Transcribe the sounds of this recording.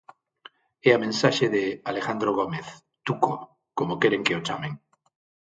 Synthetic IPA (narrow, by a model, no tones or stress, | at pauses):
eamẽnsaʃeðealexand̪ɾoɣ̞omeθ | t̪uko | komokeɾeŋkeot͡ʃameŋ